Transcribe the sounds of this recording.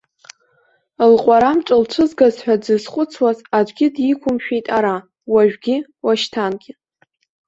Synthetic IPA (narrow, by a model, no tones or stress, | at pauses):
lqʷʼaɾamʈ͡ʂʼɨlʈ͡ʂʷʰɨzɡazħʷᶣad͡zɨzχʷʼʊt͡sʰwazad͡ʒʷɡʲɪdikʷʰʊmʃᶣejtʼaɾa | waʒᶣɡʲɪwaʃtʰanɡʲɪ